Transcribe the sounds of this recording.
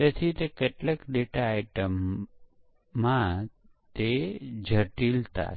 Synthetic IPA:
ət̪ʰit̪ekeʈlekɖeʈaːjʈəm | ã | t̪ed͡ʒʱəʈilt̪a̰

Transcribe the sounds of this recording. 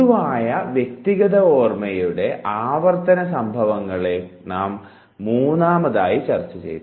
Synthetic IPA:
uʋaːjɐʋje̞k̚t̪iɣɐðɐo̞ːrmɐjuɽe̞ʔaːʋɐrt̪ɐnɐs̬ɐmbʱɐʋɐŋːɐɭe̞naːmː | uːnːaːmɐðaːjit͡ɕɐrt͡ɕːɐt͡ɕḛjt̪ː

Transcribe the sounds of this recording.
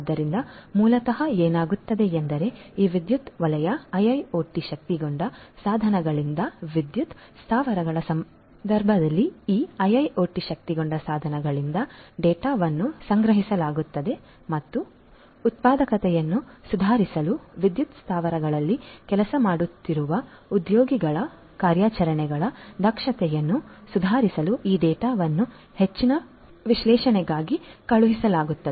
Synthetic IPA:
d̪ːɐɾind̪ɐmuːlɐt̪ɐɦɐeːnaːɡut̪ːɐd̪eːnd̪ɐɾe̞iːʋid̪jut̪ʋɐlɐjɐɐjɐjoːʈːiʃɐk̚t̪iɡoɳɖɐsaːd̪ʱɐnɐɡɐɭind̪ɐʋid̪jut̪ | st̪ʰaːʋɐɾɐɡɐɭɐsɐm | d̪ɐɾbʱɐd̪ɐlːiiːɐjɐjoːʈiʃɐk̚t̪iɡoɳɖɐsaːd̪ʱɐnɐɡɐɭind̪ɐɖɛːʈaːʋɐnːusɐŋɡɾɐɦisɐlaːɡut̪ːɐd̪e̞ | mɐt̪ːuː | t̪̚paːd̪ɐkɐt̪ɛjɐnːusud̪ʱaːɾisɐluʋid̪jut̪st̪ʰaːʋɐɾɐɡɐɭɐlːikɛlɐsɐmaːɽut̪ːiɾuʋɐ | ud̪joːɡiɡɐɭɐ | kaːɾjaːt͡ʃɐɾɐɳɛɡɐɭɐd̪ʱɐkʂɐt̪ɛjɐnːusud̪ʱaːɾisɐluiːɖɛːʈaːʋɐnːu | het͡ʃːinɐ | ʋiʃlɛːʃɐnɛɡaːɡikɐɭuɦisɐlaːɡut̪ːɐd̪e

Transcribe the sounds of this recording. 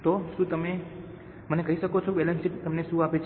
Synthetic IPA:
t̪oʃũt̪əme | mənekəɦiʃəkot͡ʃʰobɛlənsiʈt̪əmneʃũapet͡ʃʰ

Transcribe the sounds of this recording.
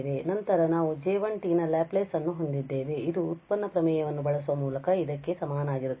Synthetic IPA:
ʋenɐnt̪ɐɾɐnaːʋud͡ʒɛːʋɐɳʈinɐlaːpleːsɐnːuɦo̞ɳd̪id̪ːeːʋe̞id̪uːtt̪̚pɐnːɐpɾɐmɛːjɐʋɐnːubɐɭɐsuʋɐmuːlɐkɐid̪ɐkːe̞sɐmaːnaːɡiɾut̪ː

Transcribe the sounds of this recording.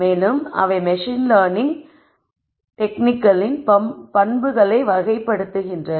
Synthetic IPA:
eːlɯmɐ̰ʋɐɪmɛʂɪnlaːnɪŋ | ʈɛknɪkːɐlɪnpɐpɐnbɯɣɐɭɐɪʋɐɣɐɪpːɐɽɯt̪ːɯɣɪndrɐ

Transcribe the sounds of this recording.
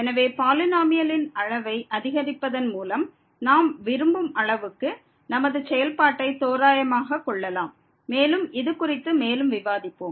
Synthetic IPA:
ɛnɐʋeːpaːlɯnaːmɪjɐlɪnɐɻɐʋɐɪʔɐðɪɣɐɾɪpːɐðɐnmuːlɐm | naːmʋɪɾɯmbɯmɐɭɐʋɯkːɯ | nɐmɐðɯsɛjɐlpaːʈːɐɪt̪oːɾaːjɐmaːɣɐkːɔɭːɐlaːmː | eːlɯmɪðɯkʊrɪt̪ːɯmeːlɯmʋɪʋaːðɪpːoːm

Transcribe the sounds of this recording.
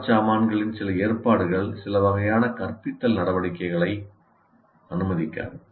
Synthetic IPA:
t͡ʃaːmaːnɡɐɭɪnsɪlɐeːrpaːɽɯɣɐɭsɪlɐʋɐɣɐjaːnɐkɐrpɪt̪ːɐlnɐɽɐʋɐɽɪkːɐɪɣɐɭɐɪ | ɐnɯmɐðɪkːa̰ːɾ

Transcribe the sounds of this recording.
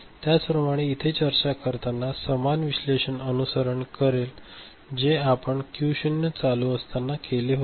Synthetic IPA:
t̪jat͡spɾəmaɽ̃eit̪ʰet͡ɕəɾt͡ɕakəɾt̪anːasəmanʋiɕleɕənənusəɾəɳkəɾel | d͡ʑeapəɳkjuɕənjət͡saluəst̪anːakeleɦo

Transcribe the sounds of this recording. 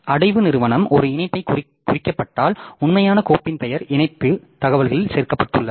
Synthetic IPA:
ɐɽɐɪʋɯnɪɾɯʋɐnɐmʔɔɾɯɪnɐɪpːɐɪk | kːʊrɪkːɐpːɐʈːaːlʊnmɐjaːnɐkoːpːɪnpɛjɐɾɪnɐɪt̪ːɯt̪ɐɣɐʋɐlɣɐɭɪlseːɾkɐpːɐʈːɯɭːɐ

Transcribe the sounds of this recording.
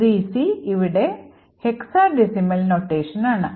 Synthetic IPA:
ɾiːsiiʋiɽe̞ | heksaːɖisimɐlnoːʈːeːʂɐnaːɳɨ

